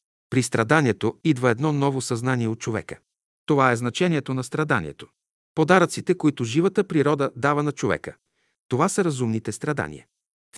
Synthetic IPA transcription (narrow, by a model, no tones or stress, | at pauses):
pɾist̪ɾɐd̪aniɛt̪oid̪vəɛd̪nɔnɔvosɐznaniɛot̪̚t͡ʃovɛ̰kə | t̪ovaɛznɐt͡ʃɛniɛt̪onɐst̪ɾɐd̪anḭɛ̰t̪o̥ | pod̪aɾot̪sit̪ɛkoit̪oʒivət̪əpɾiɾɔd̪əd̪avɐnɐt͡ʃovɛ̰kə | t̪ovasəɾɐzumnit̪ɛst̪ɾɐd̪a̰nḭə̰